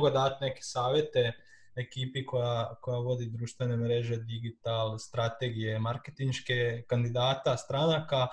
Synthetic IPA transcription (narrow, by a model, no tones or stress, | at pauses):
ɡad̪at̪ne̞ke̥saːʋje̞t̪e̞ | ekiːpiko̞jako̞jaʋo̞d̪id̪ɾuːʃt̪ʋe̞ne̞mɾeʒe̞d̪iɡit̪alst̪ɾat̪e̞ɡije̞maɾket̪inʃkekand̪id̪aːt̪ast̪ɾanaka